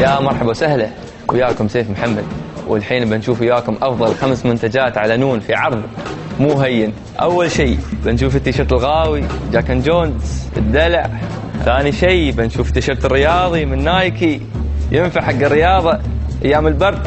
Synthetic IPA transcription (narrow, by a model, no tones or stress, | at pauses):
jaːmɑɾˤħɑbawsahla | wʔɪjaːkʊmseːfmħamːad̪wɪ̰lħiːnbanʃuːfɪjːaːkʊmʔɑfðˤɑlxamsmʊnt̪ad͡ʒaːt̪ʕalanuːnfiʕɑɾˤðˤmuːɦajːɪn | ʔawːalʃiːbanʃuːfɪt̪ːaʃɪɾt̪ɪlɣaːwid͡ʒaːkand͡ʒoːnsʔə̰d̪ːala̰ʕ | θaːniʃijbanʃuːft̪ːaʃɪɾt̪ɪrːɪjɑːðˤimɪnːaːjki | jɪnfaʕħaɡːɪrːɪjɑːðˤɑʔajːaːmɪlbɑɾˤd̪